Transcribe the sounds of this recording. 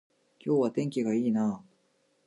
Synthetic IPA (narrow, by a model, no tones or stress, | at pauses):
kʲo̞ːβat̪ẽ̞ŋkʲiɡaiːnaː